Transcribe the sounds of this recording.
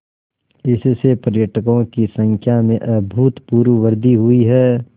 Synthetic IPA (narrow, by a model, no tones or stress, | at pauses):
ɪssepəɾjəʈʰəkõkisə̃ŋkʰjamẽʔɐbʱuːt̪puːɾʋəʋəɾd̪ʱiɦʊiɦɛː